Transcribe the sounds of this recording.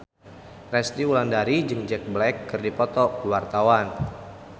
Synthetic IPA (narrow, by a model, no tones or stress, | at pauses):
rɛst̪iulandaɾid͡ʒɨŋd͡ʒɛk̚blɛkːɨrdipɔt̪ɔwart̪awan